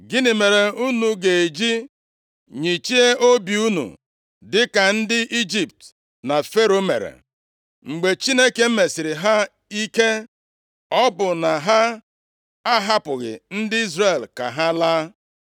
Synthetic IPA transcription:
ɡɪ˦nɪ˨me˨ɾe˨u˦nu˨ɡe˨e˨d͡ʒi˦ | ɲi˨t͡ʃi˦e˦ʔo˦bi˨u˦nṵ˨ | dɪ˦ka˨n̩˦dɪ˦ʔi˦d͡ʒi˨p̚t | na˨fe˦ɾo˦mḛ˨ɾḛ˨ | ŋ͡m̩˨ɡ͡be˨t͡ʃi˦ne˦ke˦m̩˦me˨sɪ˨ɾɪ˨ɦa˦ | i˦ke˦ | ɔ˦bʊ˨na˨ɦa˦ | a˦ɦa˦pʊ˨ɣɪ̰˨n̩˦dɪ˦i˦zre˨lka̰˨ɦa˦laː˦

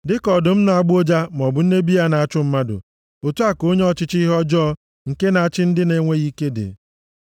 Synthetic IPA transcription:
dɪ˦kɔ˨dʊ˨m̩˦na˨a˨ɡ͡bo˦d͡ʒa˦m˨ɔ˨bʊ˨n̩˦e˦bi˦ja˦na˨a˦t͡ʃʊ˦m̩˦ma˦dʊ̰˨ | o˨tu˦a˦ko˦ɲe˦ɔ˦t͡ʃɪ˦t͡ʃɦɔ˦d͡ʒɔ˦ | ŋ̩˨ke˦na˨a˦˨t͡ʃɪ˦n̩˦dɪ˦ne˦ŋʷe˦ɣi˦ke˦dɪ̰˨

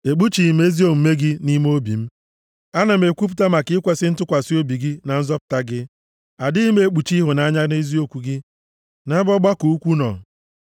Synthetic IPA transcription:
e˨ɡ͡bu˦t͡ʃi˨me˦zi˦o˨m̩˨me˦ɡɪ˦ni˦m˦o˦bḭ˨m̩˦ | a˦na˨m̩˨e˨kʷu˦pu̥˦ta˦ma˨kɪ˦ɪ˦kʷe˨sɪ˦n̩˦tʊ˦kʷa˨si˦o˦bi˨ɡɪ˦na˨n̩˦zɔ˦pʊ̥˨ta˦ɡɪ˦ | a˨dɪ˦me˨˦k͡pu˨t͡ʃi˦ɦʊ˨na˨˦ɲa˦n˦e˦zi˦o˨kʷu˨ɡɪ˦ | na˦bɔ˦ɡ͡ba˦ku˨u˦kʷu˦nɔ̰˨

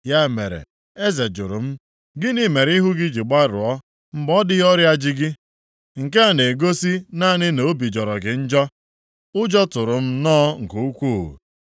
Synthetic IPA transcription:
ja˦me˨ɾḛ˨ | e˦ze˨d͡ʒʊ˨ɾʊ˨m̩˦ | ɡɪ˦ni˨me˨ɾi˦ɦʊ˦ɡɪ˦d͡ʒi˨ɡ͡ba˦ɾʊ̰˨ɔ˦ | m̩˦ɡ͡bɔ˦dɪ˦ɦɔ˦ɾja˦d͡ʒɪ˦ɡɪ˦ | ŋ̩˨ke˦a˨ne˨ɡo˦si˦na˦nɪ˦no˨o˦bi˨d͡ʒɔ˨ɾɔ˨ɡɪ˨n̩˦d͡ʒɔ˦ | ʊ˦d͡ʒɔ˦tʊ˨ɾʊ˨m̩˦nɔː˦ŋ̩˨ku˨˦u˦kʷu˦˨

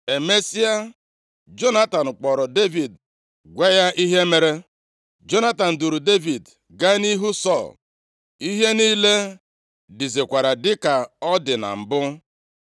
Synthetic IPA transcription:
e˨me˦si˦a˦ | d͡ʒo˦na˦ta˨n̩˨k͡pɔ˨ɾɔ˨de˦vi˨d | ɡʷe˦ja˦ʔi˦ɦe˦me˨ɾe˦ | d͡ʒo˦na˦ta˨n̩˨du˨ɾu˨de˦vi˨d | ɡa˦ni˦ɦu˦sɔ˦˨l | i˦ɦe˦niː˦le˦ | dɪ˨ze˨kʷa˨ɾa˨dɪ˦ka˨ɔ˦dɪ˨na̰˨m̩˨bʊ˦

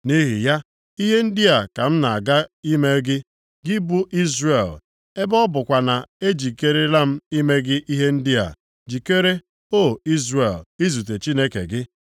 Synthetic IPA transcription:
ni˦ɦḭ˨ja˦ | i˦ɦe˦n̩˦di˦a˨ka˨m̩˦na˨a˨ɡa˦i˦me˦ɡɪ˦ | ɡɪ˦bu˦ʔi˦zre˨l | e˦bɔ˦bʊ˨kʷa˨na˨e˦d͡ʒi˨ke˦ɾe˦la˦m̩˦i˦me˦ɡɪ˦ʔi˦ɦe˦n̩˦dɪ˦a̰˨ | d͡ʒi˨ke˦ɾe˦ | o˦˨i˦zɾe˨li˦zu˨t̬e˨t͡ʃi˦ne˦kḛ˨ɡɪ˦

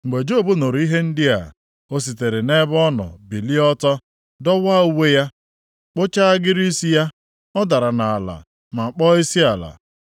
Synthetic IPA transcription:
ŋ̩˨ɡ͡be˨d͡ʒo˦˨bo˦no˨ɾi˦ɦe˦n̩˦dɪ˦a̰˨ | o˦s̬i˨te˨ɾe˨ne˦bɔ˦nɔ̰˨bi˨li˦ɔ˦tɔ˦ | dɔ˦wa˦u˦we˦ja˦ | k͡po˦t͡ʃa˦a˦ɡɪ˦ɾi˦si˦ja˦ | ɔ˦da˨ɾa˨na˨a˨la̰˨ | ma˨k͡pɔ˦i˦si˦a˨la̰˨

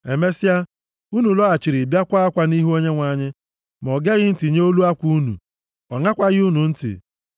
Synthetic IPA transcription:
e˨me˦si˦a˦ | u˦nu˨lɔ˦a˨t͡ʃɪ˨ɾi˨bja˦kʷa˦a˦kʷa˨˦ni˦ɦu˦o˦ɲe˦ŋʷa˨˦˨ɲɪ˦ | m˨ɔ˨ɡe˦ɣɪ˦n̩˦ti˨ɲ˦o˦lu˦a˦kʷu˦u˦nṵ˨ | ɔ˨ŋa˦kʷa˦ɣɪ˦u˦nu˨n̩˦tɪ̰˨

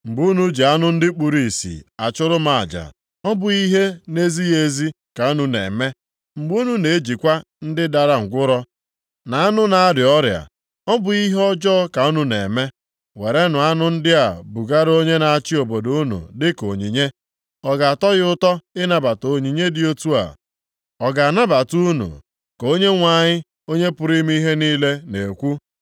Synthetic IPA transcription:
ŋ͡m̩˨ɡ͡bu˦nu˨˦d͡ʒi˨a˦nʊ˦n̩˦dɪ˦k͡pu˨ɾi˨sḭ˨a˨t͡ʃʊ˦ɾʊ˦ma˨a̰˨d͡ʒa̰˨ | ɔ˦bʊ˨i˦ɦe˦ne˦zi˦je˦zi˦ | ka˨u˦nu˨nḛ˨me˦ | ŋ͡m̩˨ɡ͡bu˦nu˨ne˨˦d͡ʒi˨kʷa˦ | n̩˦dɪ˦da˨ɾa˦ŋ̩˨ɡʷʊ˦ɾɔ˦ | na˨a˦nʊ˦na˨a˦dɪ˨ɔ˦ɾja̰˨ | ɔ˦bʊ˨i˦ɦɔ˦d͡ʒɔ˦ka˨u˦nu˨nḛ˨me˦ | we˨ɾe˦nʊ˨a˦nʊ˦n̩˦dɪ˦a˨bu˨ɡa˦ɾo˦ɲe˦na˨a˦˨t͡ʃɪ˦o˨bo˨do˦u˦nṵ˨dɪ˦ko˨ɲi˨ɲe˦ | ɔ˨ɡa˨a˨tɔ˦ɣʊ˦tɔ˦ɪ˦na˨ba˨to˨ɲi˨ɲe˦dɪ˦o˦tu˦a̰˨ | ɔ˨ɡa˨na˦ba˨tu˦nṵ˨ | ko˦ɲe˦ŋʷa˨ɲɪ˦ | o˦ɲe˦pʊ˦ɾi˦mi˦i˦ɦe˦niː˦le˦ne˨kʷu˦

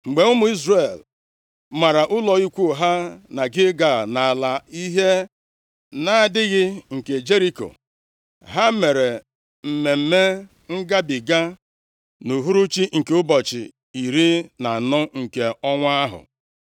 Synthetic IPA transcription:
ŋ͡m̩˨ɡ͡be˨ʊ˦mʊ˨˦i˦zre˨l | ma˨ɾa˨ʔʊ˦lɔ˨i˦kʷu˦˨ɦa˦na˨ɡɪ˦ɡa˨na˨a˨la˨i˦ɦe˦ | na˨dɪ˦ɣɪ˦ŋ̩˨ke˨d͡ʒe˦ɾi˦ko̰˨ | ɦa˦me˨ɾe˨ | m̩˨me˨m̩˦me˦ | ŋ̩˦ɡa˦bi˨ɡa˦ | nu˨ɦu˦ɾu˦t͡ʃi˦ŋ̩˨ke˨ʊ˦bɔ˨t͡ʃɪ̰˨ | i˨ɾi˦na˨nɔ˦ŋ̩˨ke˨ɔ˦ŋʷ˦a˦ɦʊ̰˨

